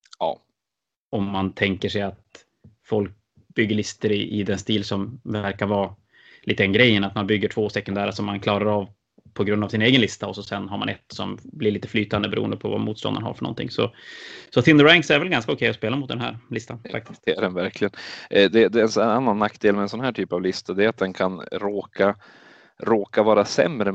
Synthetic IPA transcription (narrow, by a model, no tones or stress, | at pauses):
ɑ̰ː | ɔmːant̪ʰɛŋkəʂɛjat̪ | fɔlk̚ | bʏɡːəɾɭɪst̪əɾɪʔɪd̪ɛnst̪iːlsɔmvæɾkaɾvɑː | liːt̪əd̪ɛnɡɾɛjːənat̪manbʏɡːəʈʰv̥oːsɛkɵnd̪æːɾaʂɔmːankʰlɑːɾaɾav | pʰɔɡɾɵnd̪avsɪneːɡənlɪst̪aɔsɔsɛnɦaɾmanɛt̪sɔmblɪɾɭiːt̪ə̥flyːt̪and̪əbɛɾṵə̰nd̪əpʰɔva̰muːt̪st̪ɔ̰nd̪ənha̰ɾfœɳɔ̰nt̪ɪ̰ŋːsɔ̰sɔθɪnd̪əɾæŋksæɾvɛlɡanskaʊkʰɛjːɔspeːlamʊt̪d̪ɛnɦæ̰ːɾlɪst̪anffa̰kt̪ɪsɖɛnvæɾkʰlɪɡənd̪ɛd̪ɛːnsanːanːakːd̪eːlmɛnsɔnɦæːʈʰyːpavlɪst̪ad̪ɛat̪̚d̪ɛnkʰanɾoːkʰa | ɾoːkavɑːɾasɛ̰mɾə